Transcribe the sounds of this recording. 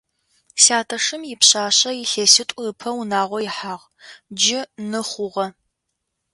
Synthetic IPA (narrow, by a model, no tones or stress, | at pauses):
saːtʰɐʂɨmjɪpɕaːɕʼɐjɪɬeːsɪtʷʼʊpʰɐwunaːʁʷɔjɪħaːʁ | d͡ʒɪnɨχʷʊʁɐ